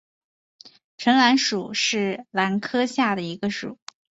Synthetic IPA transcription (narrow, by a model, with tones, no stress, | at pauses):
ʈ͡ʂʰə˧˥ŋla˧˥nʂu˨˩ʂɻ̩˥˩la˧˥nkʰɤ˥ɕja˥˩d̪ə˩i˧˥ɡə˧ʂu˨˩˦